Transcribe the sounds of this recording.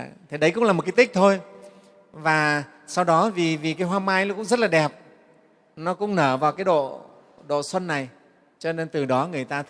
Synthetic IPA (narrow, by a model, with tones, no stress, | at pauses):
t̪ʰe˨˩ɗə˦jkʊ̰˧˥ŋ͡mlːm˨˩t̚ka˨˦t̪i˦˥k̚t̪ʰo˧j | vaː˨˩ | sa˧wɗɔ˨˦vi˨˩vi˨˩kaː˨˦jɦwaː˧maː˧jnɔ˦kʊ̰˧˥ŋ͡mzə˦˥laː˨˩ɗɛ˨˩p̚ | nɔ˨˦kʊ̰˧˥ŋ͡mnəː˧˩vaː˨˩wkaː˨˦jɗo̰˧˨ | ɗo̰˧˨swə˧nːa˨˩j | t͡ɕɔ˧ne˧nt̪ɨ˨˩ɗɔ˨˦ŋɨ˨˩əjt̪aː˧t̪